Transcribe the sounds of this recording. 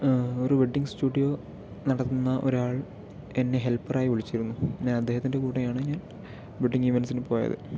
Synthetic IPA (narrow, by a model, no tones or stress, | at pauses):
o̞ɾubiɖːiŋɡstuːɖijo̞ː | nɐɽɐt̪ːunːɐʔo̞̰ɾaːɭ | e̞nːe̞ɦe̞lpːɐraːjiʋiɭit͡ɕːiɾunːuɲaːnɐd̪ːe̞ːɦɐt̪ːinde̞kuːʈːɐjaːɳɨɲaːn | biɖːiŋɡiʋensinɨpoːjɐ̰ðɨ̰